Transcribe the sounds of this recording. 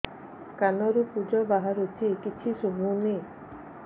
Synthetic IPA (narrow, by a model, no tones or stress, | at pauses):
kanɔɾupud͡ʒɔbaɦaɾut̪ʰikit͡ʃʰisubʱuni